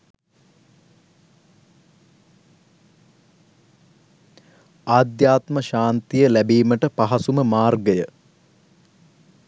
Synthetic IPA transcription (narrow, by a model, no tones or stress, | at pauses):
aːd̪jaːt̪məʃaːnt̪ijəlæbiːməʈəpaɦɐsuməmaːrɡəjə